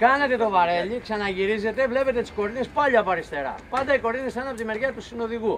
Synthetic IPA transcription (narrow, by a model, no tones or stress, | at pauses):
kɐne̞t̪e̞t̪o̞vɐɾe̞liksɐnɐʝiɾize̞t̪evle̞pe̞t̪et̪i̥sko̞ɾinespɐʎiɐpɐɾist̪e̞ɾɐ̰pɐnd̪ɐiko̞ɾinesθɐnɐpo̞t̪ime̞ɾʝɐt̪usino̞ðiɣu